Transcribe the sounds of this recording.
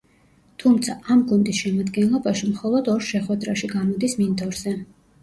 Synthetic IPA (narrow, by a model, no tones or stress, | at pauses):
t̪ʰumt̪sʰaʔamɡund̪isʃɛmad̪ɡɛnlˠɔbaʃimχɔlˠɔd̪ɔɾʃɛχwɛd̪ɾaʃiɡamɔd̪ismind̪ɔɾzɛ